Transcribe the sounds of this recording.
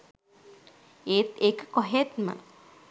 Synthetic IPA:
eːt̪ekə̥koɦet̪mə̰

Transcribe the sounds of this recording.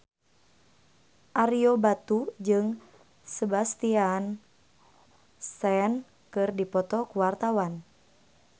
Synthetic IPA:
ʔaɾiobat̪ud͡ʒɨŋ | səbast̪ian | sɛn | kɨrdipɔt̪ɔkuwart̪awan

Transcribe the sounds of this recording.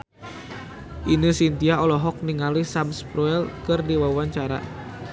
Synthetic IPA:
ʔinɨsint̪iaɔlɔɦɔk̚niŋalisamspɾuɛlkɨrdiwawaɲt͡ʃaɾa̰

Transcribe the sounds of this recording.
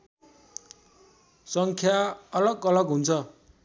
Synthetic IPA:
sʌŋkʰjaʌlʌɡʌlʌɡɦunt͡sʰʌ

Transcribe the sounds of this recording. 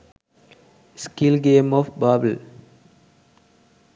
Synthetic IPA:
skilɡẽːmɔːfbaːbəl

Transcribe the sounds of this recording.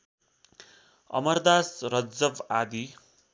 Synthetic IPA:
ʌ̰mʌrd̪asrʌd͡zʌbad̪i

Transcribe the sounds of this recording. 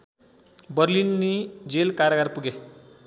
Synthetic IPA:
bəɾlinːid͡ʒelkaɾaɡaɾpuɡe

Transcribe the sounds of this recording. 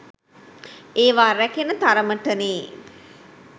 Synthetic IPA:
eːʋaːɾɛkenət̪aɾəməʈəneː

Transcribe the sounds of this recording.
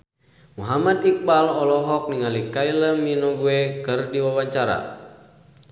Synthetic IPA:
muɦamad̪ik̚balɔlɔɦɔk̚niŋalikailəminɔɡuɛkɨrdiwawaɲt͡ʃaɾa̰

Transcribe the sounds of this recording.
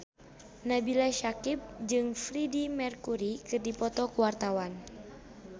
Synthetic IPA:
nabilaʃakip̚d͡ʒɨŋfɾidimɛrkuɾikɨrdipɔt̪ɔkuwart̪awan

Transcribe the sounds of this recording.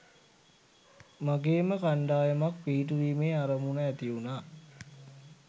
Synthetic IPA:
maɡeːməkaɳɖaːjəmakpiːʈ̬uɾiːmeːaɾəmunəæt̪iunaː

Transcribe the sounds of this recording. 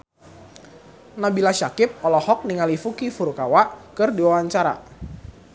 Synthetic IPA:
nabilaʃakɪp̚ɔlɔhɔk̚niŋalifukifuɾukawaʔkɨrdiwawaɲt͡ʃaɾa̰

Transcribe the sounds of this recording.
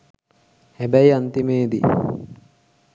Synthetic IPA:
hæbæiant̪imeːd̪ḭ

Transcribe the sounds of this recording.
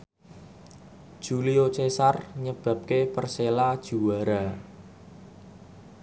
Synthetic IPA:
d̥ʒ̥uliot͡ʃesarɲəb̥a̤p̚kepərselad̥ʒ̥uwaɾa

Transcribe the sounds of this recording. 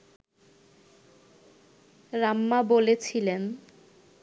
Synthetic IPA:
ɾamːabolet͡ɕʰilen

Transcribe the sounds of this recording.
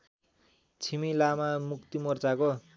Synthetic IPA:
t͡sʰimilamamukt̪imʌrt͡sako

